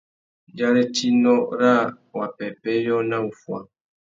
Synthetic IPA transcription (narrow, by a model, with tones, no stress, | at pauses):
d͡ʒa˦ɾɛ˦ti˦nɔ˦ʔɾa˦˨ | wa˨pɛ˨pɛ˦jɔ˦na˦˨m̩˨fwa̰˦˨